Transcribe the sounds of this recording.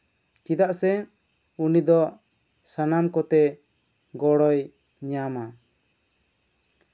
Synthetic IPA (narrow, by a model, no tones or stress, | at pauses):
t͡ʃid̪aʔsɛ | unid̪ɔʔ | sanamkɔt̪ɛ | ɡɔɽɔj | ɲama